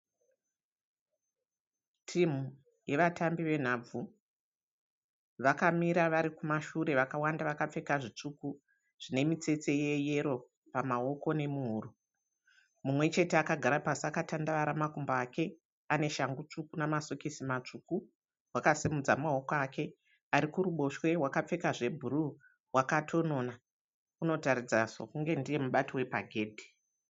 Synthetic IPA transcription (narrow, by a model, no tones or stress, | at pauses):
tʰim̤u | je̞ʋatambiʋe̞n̤aːb͡vu | ʋakamiɾaʋaɾikumaʃuɾe̞ʋakawandaʋakap͡fe̞kaʐit͡ʂuku | ʐ̥ine̞mit͡se̞t͡se̞je̞je̞ɾo̞ | pamao̞ko̞ne̞muɦuːru | mumwe̞t͡ʃe̞teakaɡʱaɾapasiakatandaʋaɾamakumbaːkʰe̞ | ane̞ʃaŋɡut͡ʂukunamaso̞kisimat͡ʂuku | wakasimud͡zamao̞koakʰe̞ | aɾikuɾuɓo̞ʃwe̞ɦwakap͡fe̞kaʐe̞bʱuɾu | wakatʰo̞no̞na | uno̞taɾid͡zaʐo̰kuŋɡe̞ndije̞muɓatiwe̞paɡʱe̞ːdʱi̥